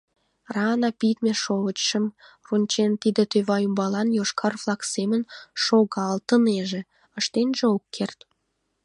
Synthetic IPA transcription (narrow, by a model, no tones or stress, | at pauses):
rɑnɑpit̪meʃoβət͡ɕʃəmrunʲt͡ɕent̪id̪ĕt̪øβɑjumbɑlɑnjoʃkʰɑrflɑksemənʃoɣɑlt̪əneʒĕ | ə̆ʃt̪enʒeokːert̪